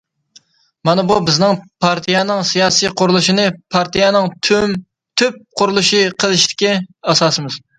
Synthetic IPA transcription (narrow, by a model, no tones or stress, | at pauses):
mɑnɨbubɪznɨŋpʰɑɾt̪ʰijɑnɨŋsijɑːsiqʰʊɾlˠuʃinɨpʰɑɾt̪ʰijɛnɨŋt̪ʰm | t̪ʰøp̚qʰʊɾulˠuʃiqʰəlˠɨʃt̪ʰɪ̥kʲɛɑsɑsɨmɨz̥